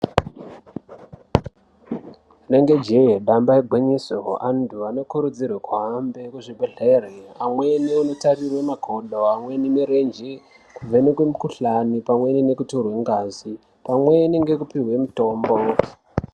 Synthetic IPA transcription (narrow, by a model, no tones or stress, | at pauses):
ne̞ŋɡe̞d͡ʒeɦeɗambaeɡʱiɲisoandʰuano̞kuɾud͡zirwekwaɦambe̞kuʐiɓeɮereamwe̞niono̞tarirwe̞maɡʱo̞ɗoamwe̞nimeɾend͡ʒe | kuvenekwemukuɬanipamwe̞nine̞kutorwe̞ŋɡaːzi | pamwe̞neŋɡe̞kupiɦwe̞muto̞ːmbo